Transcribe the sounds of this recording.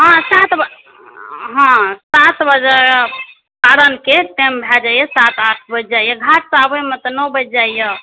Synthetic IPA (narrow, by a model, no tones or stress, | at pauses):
ɦãsat̪b | ɦãsat̪bəd͡ʒə | kaɾənkeʈembʱɛd͡ʒajesat̪aʈʰbəd͡ʒd͡ʒajəɡʱaʈ̚sabəjmet̪ɔnɔbəd͡ʒd͡ʒajə